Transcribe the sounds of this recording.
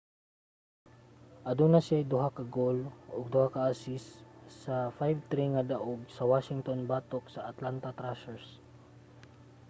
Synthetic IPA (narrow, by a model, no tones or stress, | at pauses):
ʔɐd̪unɐsɪajd̪ʊɦakɐɡoloɡ̚d̪ʊhakɐʔaːsɪsːɐfajvt̪ɾiŋad̪aʔoɡ̚sɐwaːʃɪŋt̪onbat̪ok̚sɐɐt̪lant̪ɐt̪ɾasɛɹs